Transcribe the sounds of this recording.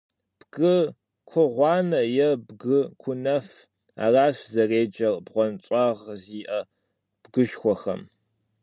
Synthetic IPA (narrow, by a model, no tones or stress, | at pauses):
b̥ɡɨ | kʷʰʊʁʷɑːnɐjɛbɡɨkʷʰʊnɐf | a̰ːraːszɐreːd͡ʒɐrbʁʷɔnt͡ʃʷʼɑːʁziːʔɐ | b̥ɡɨʃxʷɔxɐ̰m